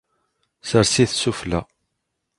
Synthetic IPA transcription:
səɾsiθsuflæ

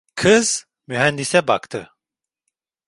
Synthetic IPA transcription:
kʰɯz̥ | myɦænd̪isɛba̰kt̪ʰɯ

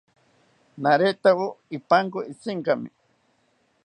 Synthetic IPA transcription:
naɾet̪awoipaŋkoit͡siŋkamḭ

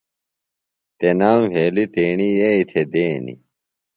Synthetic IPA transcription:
t̪enaːmɦeːlit̪eːɳijeit̪ʰed̪eːnḭ

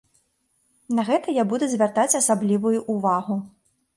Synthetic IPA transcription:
nɐɣɛt̪ɐjabud̪ɛzʲvʲart̪at͡sʲɐsablʲivujuʔuvaɣu

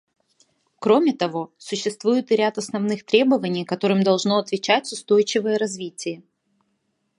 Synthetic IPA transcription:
kɾo̞mʲɪt̪ɐvosʊɕːɪst̪vujʊt̪ɨɾʲat̪ɐsnɐvnɨxt̪ɾʲe̞bəvənʲɪjkɐt̪o̞ɾɨmd̪ɐlˠʐno̞ɐt̪vʲɪt͡ɕætʲʊst̪o̞jt͡ɕɪvəjəɾɐzvʲitʲɪjə

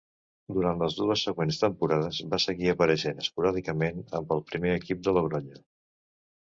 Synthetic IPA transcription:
d̪uɾant̪ləzðuəsːəɣwenst̪əmpuɾað̞əzbasəɣiəpəɾəʃenəspuɾaðikəmenəmbəlˠpɾimeəkip̚d̪ələɣɾɔʎə

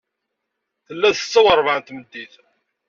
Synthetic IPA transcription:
θəlːæðə̥t͡sːæwəɾˤvʕant̪məd̪ːiθ

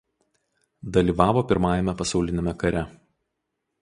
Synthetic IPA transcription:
d̪ɐlʲiːʋɑːʋoːpʲɪɾmɑːjɛmʲɛpɐsɑʊlʲɪnʲemʲɛkɐɾʲɛ

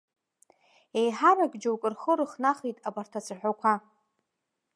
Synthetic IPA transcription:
e̞jħaraɡʼd͡ʒawkʼɨrχəɾɨχnaχijtʼabartʰat͡sʰɨħʷᶣakʷʰa

